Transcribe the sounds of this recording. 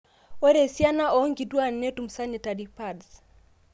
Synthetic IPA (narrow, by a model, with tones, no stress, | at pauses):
wɛ˦ɾɛ˨sja˦na˦ɔ˦ŋɡi˨dwa˦nɛ˦tu˨m̩˨sa˦nɛ˨ta˨ɾi˨pads